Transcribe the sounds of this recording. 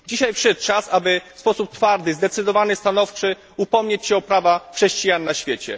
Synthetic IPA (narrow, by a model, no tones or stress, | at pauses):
d͡ʑiɕajpʂɛt̪t͡ʂasabɘfspɔsup̚t̪faɾd̪ɘzd̪ɛt̪sɘd̪ɔvanɘst̪anɔft͡ʂɘ | upɔmɲet͡ɕɕɛɔpɾavaxʂɛɕt͡ɕijanːaɕfʲjet͡ɕɛ̰